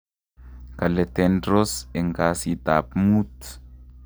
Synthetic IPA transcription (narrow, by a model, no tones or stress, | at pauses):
kalet̪endɾoseŋɡasit̪apmut̪